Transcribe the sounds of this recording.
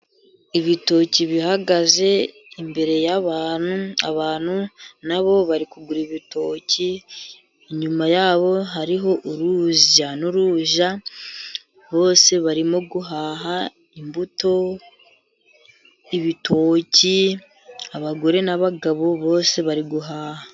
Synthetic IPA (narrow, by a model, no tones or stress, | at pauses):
iβito̞ciβiɦaɡaze̞ | imbe̞ɾe̞jaβaːn̥hua̰βaːn̥hunaβo̞βaɾikuɡuɾiβito̞ciː | ɲumajaːβo̞ɦaɾiɦo̞ʔuɾuzanuɾuːʒa | βo̞ːse̞βaɾimoɡuɦaːɦa | imbuto̞ | iβitʰo̞ːci | aβaɡo̞ɾe̞naβaɡaβo̞βo̞ːse̞βaɾiɡuɦaːha